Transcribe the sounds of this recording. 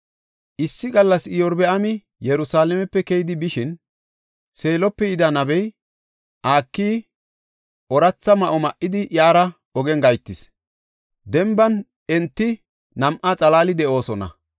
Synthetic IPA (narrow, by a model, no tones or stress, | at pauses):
ʔɪsːɪɡɐlːɐsɪjɔɾbɛʔɐmɪ | jɛɾʊsaːlɛmɛpːɛkɛjɪd̪ɪbɪʃɪn | se̞ːlɔpːɛjɪd̪ɐnɐbɛj | ʔaːkːiː | ʔɔɾɐt͡sːɐmɐʔɔmɐʔːɪd̪ɪʔjaːɾɐ | ɔɡɛŋɡɐjt̪ːɪs | d̪ɛmbɐn | ɛnt̪ːɪ | nɐmʔat͡sʼɐlaːlɪd̪ɛʔo̞ːsɔnɐ̰